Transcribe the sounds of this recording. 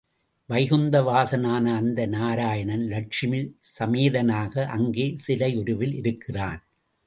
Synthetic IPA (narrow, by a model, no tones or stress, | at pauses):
ʋɐɪɣɯnd̪ɐʋaːsɐnaːnɐaɐnd̪ɐnaːɾaːjɐɳɐnlɐʈ̚t͡ʃɪmɪsɐmeːðɐnaːɣɐʔɐŋɡeːsɪlɐɪʊɾɯʋɪlɪɾɯkːɪra̰ːn